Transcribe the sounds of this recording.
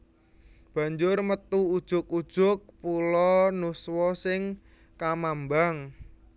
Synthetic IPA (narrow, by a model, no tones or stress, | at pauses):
b̥a̤ɲd͡ʒʊrmət̪uud̥ʒ̥ʊkud̥ʒ̥ʊk̚pulɔnuswɔsɪŋ | kamambaŋ